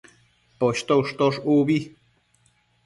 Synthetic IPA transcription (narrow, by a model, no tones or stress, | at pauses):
poɕt̪oʂt̪oʂuβi